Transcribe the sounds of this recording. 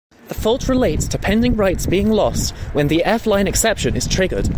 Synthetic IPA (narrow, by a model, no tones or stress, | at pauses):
ðəfɔlˠʔɹɪleɪtstʰəpʰɛ̃ndɪ̃ŋɹaɪtsb̥iɪ̃ŋlɔst̚wə̃nðiʔɛflãɪ̃nɨksɛpʃə̃nɪz̥tʰɹ̥ɪɡə̰d̥